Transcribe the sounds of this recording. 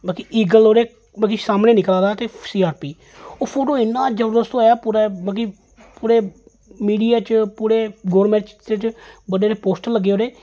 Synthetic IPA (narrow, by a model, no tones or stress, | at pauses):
baːkiʔiːɡəloːɾeː | baːkiːsaːmneːnɪklãːd̪aːt̪eːsiːaːɾpiː | oːpʰoːʈoːɪnːãːd͡ʒəɾuɾd̪əst̪ːjaːpuːɾaːbãːk̬i | puːɾeː | miːɖijaːt͡ʃpuːɾeːɡoːɾmɛ̃ːʈt͡ʃt̪et͡ʃbəɖeːɾeːpoːsʈəlːəɡːeːɦoːɾeː